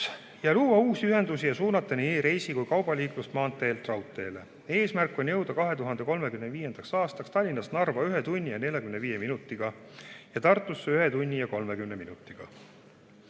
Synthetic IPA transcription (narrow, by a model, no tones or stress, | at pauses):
jɑluːwɑuːsiyɦe̞nd̪usijɑsuːnɑt̪ːˑɑnieɾe̞jsikujkɑwb̥ɑlʲiːklust̪mɑːnt̪ːˑe̞ːlt̪rɑwt̪ːˑe̞ːle̞ | e̞ːsmærkːˑo̞nʲjɤ̞wd̪̥ɑkɑɦe̞t̪uɦɑnd̪e̞ko̞lme̞kymneviːje̞nd̪̥ɑksɑːst̪ɑkst̪ɑlʲːinɑsnɑrvɑyɦe̞t̪unʲːijɑne̞lʲjɑkymne̞viːje̞minut̪ːˑiɡ̥ɑ | jɑt̪ɑrt̪ːˑusːeyɦe̞t̪unʲːijɑko̞lmekymne̞minut̪ːˑiɡ̥ɑ̰